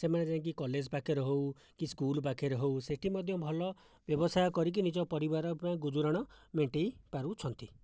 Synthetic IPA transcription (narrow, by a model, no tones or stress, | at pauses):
semaned͡ʒaŋk̬ikɔled͡ʒpakʰeɾɔɦew | kiskulpakʰeɾɔɦewseʈʰimɔd̪ʱjɔbʱɔlɔ | bjɔbɔsajɔkɔɾik̬inid͡ʒɔpɔɾibaɾɔpaĩɡud͡ʒuɾaɽ̃ɔmeɳʈejpaɾut͡ʃʰɔnt̪i